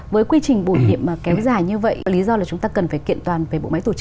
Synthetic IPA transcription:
vəː˨˦jkwi˧t͡ɕï˨˩ŋ̟ɓo˧˩jɲḭ˧˨əmmaː˨˩kɛ˨˦wzaː˨˩jɲɨ˧və̰˧˨jli˨˦zɔ˧laː˨˩t͡ɕʊ˨˦ŋ͡mt̪aː˧kə˨˩nfaː˧˩jkḭ˧˨ənt̪waː˨˩nve˨˩ɓo̰˧˨ma̰˧˥jt̪o̥˧˩˦

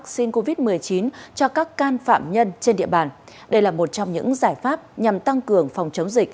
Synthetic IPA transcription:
k̚si˧nko˧vi˦˥t̚mɨ˨˩əjt͡ɕi˨˦nt͡ɕɔ˧kaː˦˥kːaː˧nfa̰ː˧˨mɲə˧nt͡ɕe˧nɗḭ˧˨əɓaː˨˩n | ɗə˧jlaː˨˩mo˨˩t̚t͡ɕɔ˧wŋ͡mɲɨ̰˧˥ŋzaː˧˩jfaː˦˥p̚ɲa˨˩mt̪a˧ŋkɨ˨˩əŋfɔ˨˩wŋ͡mt͡ɕə˨˦wŋ͡mzï˨˩k̚

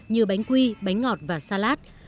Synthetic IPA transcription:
ɲɨ˧ɓa˨˦jŋ̟kwi˧ɓa˨˦jŋ̟ŋɔ˨˩t̚vaː˨˩saː˧laː˦˥t̚

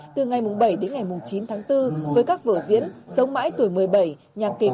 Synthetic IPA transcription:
t̪ɨ˨˩ŋa˨˩jmʊ˨˩ŋ͡mɓə˧˩jɗe˨˦nŋa˨˩jmʊ˨˩ŋ͡mt͡ɕi˨˦nt̪ʰaː˨˦ŋt̪ɨ˧vəː˨˦jkaː˦˥k̚və̰ː˧˩zḭ˧˥ənsə˨˦wŋ͡mma̰ː˧˥jt̪u˧˩əjmɨ˨˩əjɓə˧˩j | ɲaː˨˩ke˨˩

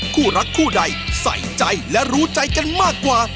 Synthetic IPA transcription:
kʰuː˥˩ɾa˦˥kʰːuː˥˩da˧jsa̰˩˦jt͡ɕa˧jlɛ˦˥ɾuː˦˥t͡ɕa˧jka˧nmaː˥˩kːwaː˧

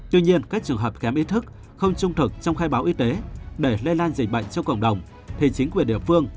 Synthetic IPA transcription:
t̪wi˧ɲi˧ənkaː˦˥k̚t͡ɕɨ˨˩əɦəː˨˩p̚xɛ˨˦mʔi˦˥t̪ʰɨ˦˥k̚ | xə˧wŋ͡mt͡ɕʊ˧ŋ͡mt̪ʰɨ˨˩k̚t͡ɕɔ˧wŋ͡mxaː˧jɓaː˨˦wʔi˧˦t̪e˨˦ɗe˧˩le˧laː˧nzï˨˩k̟̚ɓə̰˧˨ŋ̟t͡ɕɔ˧ŋ͡mkə̰˧˩wŋ͡mɗə˨˩wŋ͡m | t̪ʰe˨˦t͡ɕï˨˦ŋ̟kwə˩ɗḭ˧˩əfɨ˧əŋ

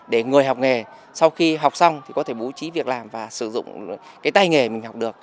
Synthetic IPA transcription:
ɗe˧˩ŋɨ˨˩əjɦa˨˩wk͡p̚ŋe˨˩ | sa˧wxi˧ɦwk͡p̚sa˧wŋ͡mt̪ʰi˨˩kɔ˨˦t̪ʰe˧˩ɓu˨˦t͡ɕi˨˦vi˨˩ək̚laː˨˩mvaː˨˩sɨ˧˩zʊ̰˧˨ŋ͡mkaː˨˦jt̪a˧jŋe˨˩mï˨˩ŋ̟ɦa˨˩wk͡p̚ɗɨ˨˩ək̚

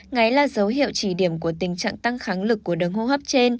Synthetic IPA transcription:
ŋa˨˦jlaː˨˩zə˨˦wɦḭ˧˨ə˨wt͡ɕi˧˩ɗi˧˩əmku˧˩ət̪ï˨˩ŋ̟t͡ɕa̰ː˧˨ŋt̪a˧ŋxaː˨˦ŋlɨ˨˩kːu˧˩əɗə˨˦ŋho˧hə˦˥p̚t͡ɕe˧n

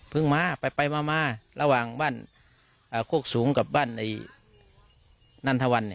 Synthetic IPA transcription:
pʰɯ˧˥˨ŋmaː˧˥˨pa˨˩jpa˨˧jmaː˧maː˧˥˨la˧waː˨˩ŋbaː˥˨n | ʔaː˧˩kʰu˥˩ək̚suː˨˩˦ŋka˧˩p̚baː˧˥˩nda˧˩ | na˧˥˨nt̪ʰa˧wa˧˨nːi˧˨

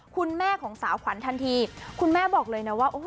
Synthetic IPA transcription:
kʰu˧nmɛː˥˩kʰɔː˩˦ŋsaː˩˦wkʰwa˩˦nt̪ʰa˧nt̪ʰiː˧kʰu˧nmɛː˥˩bɔː˨˩k̚lɤː˧jna˦˥waː˥˩ʔo˧˦

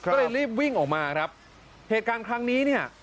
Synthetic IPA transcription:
lɤː˧jɾiː˥˩p̚wi˥˩ŋʔɔː˨˩k̚maː˧kʰɾa˦˥p̚ | heː˨˩t̪̚kaː˧nkʰɾa˦˥ŋniː˦˥ni˥˩ɐ

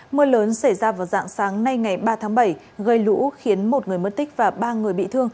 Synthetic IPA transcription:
mɨ˧ələː˨˦nsa˧˩jzaː˧vaː˨˩wza̰ː˧˨ŋsaː˨˦ŋna˧jŋa˨˩jɓaː˧t̪ʰaː˨˦ŋɓa˧˩j | ɣə˧jlṵ˧˥xi˨˦ənmo˨˩t̚ŋɨ˨˩əjmə˦˥t̚t̪ï˦˥k̟̚vaː˨˩ɓaː˧ŋɨ˨˩əjɓḭ˧˨t̪ʰɨ˧əŋ

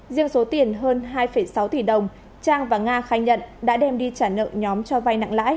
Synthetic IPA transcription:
zḭ˧əŋso˨˦t̪i˨˩ənɦəː˧nɦaː˧jfə˧˩jsa˨˦wt̪i˧˩ɗə˨˩wŋ͡m | t͡ɕaː˧ŋvaː˨˩ŋaː˧xaː˨˦jɲə̰˧˨nɗa̰ː˧˥ɗɛ˧mɗi˧t͡ɕaː˧˩nə̰˧˨ŋɲɔ˨˦mt͡ɕɔ˧va˧jna̰˧˨ŋla̰ː˧˥j

